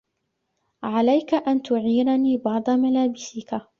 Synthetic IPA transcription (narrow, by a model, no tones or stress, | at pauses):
ʕalajkaʔant̪ʊʕiːɾaniːbɑʕd̪ˤɑmalaːbɪsɪka